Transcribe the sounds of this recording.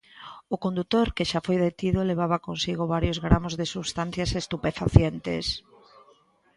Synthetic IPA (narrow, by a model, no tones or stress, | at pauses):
ʊkõnd̪ut̪oɾkeʃafojðet̪iðʊleβ̞aβakonsiɣʊβaɾjozɣɾamozðesuβst̪an̟θjasest̪upefa̰θjent̪ḛs